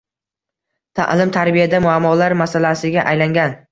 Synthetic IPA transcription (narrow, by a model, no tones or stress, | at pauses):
t̪ʰa̰ʔlɪmt̪ʰaɾbijad̪amʊamːɒlaɾmasalasɪɡʲaʔajlaŋɡʲan